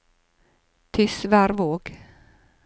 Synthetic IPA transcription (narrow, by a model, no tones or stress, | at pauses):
t̪ʰɪsvæːɾvoːɡ̥